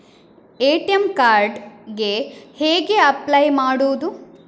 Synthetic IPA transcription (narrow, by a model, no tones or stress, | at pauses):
eːʈiemkaːɾɖɡe̞heːɡeɐplɐjmaːɽuːd̪u